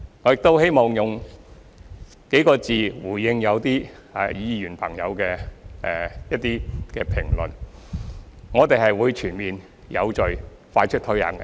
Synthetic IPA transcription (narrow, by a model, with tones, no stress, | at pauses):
ŋɔː˨˧jɪ˨k̚t̪o˥whe˥jmɔː˨˩ŋjʊ˨˩ŋ | ke˨˥jkɔː˧t͡siː˨wuː˨˩jɪ˧ŋjɐ˨˧wt̪iː˥aː˨˧jiː˨˧jyː˨˩npʰɐ˨˩ŋjɐ̰˨˧wkɛː˧ʔɛː˧jɐ˥t̚t̪iː˥kɛː˧pʰɪ˨˩ŋlɵ˨n | ŋɔː˨˧t̪e˨jɦɐ˨jwuː˨˧jt͡ʃʰyː˨˩nmiː˨n | jɐ̰˨˧wt͡ʃɵ˨ɥ | faː˧t͡ʃʰɵ˥t̪ʰɵ˨˥jɐ̰˨˥n